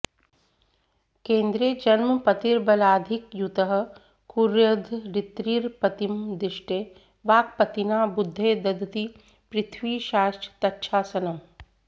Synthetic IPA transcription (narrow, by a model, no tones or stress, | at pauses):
kẽːnd̪ɾied͡ʒɐnmpɐt̪iɾbɐlaːd̪ʱɪkjut̪əɦə̆ | kuɾjɐd̪ʱɾɪt̪ɾiɾpɐt̪imd̪ɪʃʈeː | ʋaːk̚pɐt̪inaːbʊd̪ʱːeːd̪ɐd̪ʱt̪i | pɾɪt̪ʰwiːʃaːsʈt̪ɐtːʃʰaːsɐnɐm